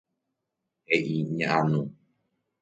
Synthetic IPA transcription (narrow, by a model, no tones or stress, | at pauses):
heʔiɲãʔãnũ